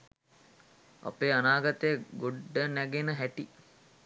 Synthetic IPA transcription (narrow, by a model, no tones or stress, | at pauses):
a̰peːanaːɡat̪əjəɡoɖːənæɡenəɦæʈi